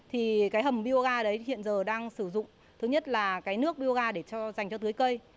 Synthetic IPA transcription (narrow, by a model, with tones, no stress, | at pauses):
t̪ʰi˨˩kaː˨˦jɦə˨˩mɓi˧ə˧wɣaː˧ɗə˨˦jɦḭ˧˨ənzəː˨˩ɗaː˧ŋsɨ˧˩zʊ̰˧˨ŋ͡m | t̪ʰɨ˨˦ɲə˦˥t̚laː˨˩kaː˨˦jnɨ˦˥ək̚ɓi˧ə˧wɣaː˧ɗe˧˩t͡ɕɔ˧za˨˩jŋ̟t͡ɕɔ˧t̪ɨ˨˦əjkə˧j